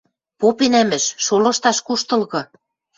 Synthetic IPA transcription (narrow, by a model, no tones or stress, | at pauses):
popenæmɘ̆ʃʃolɤ̆ʃt̪ɑʃkuʃt̪ɤ̆lɣɤ̆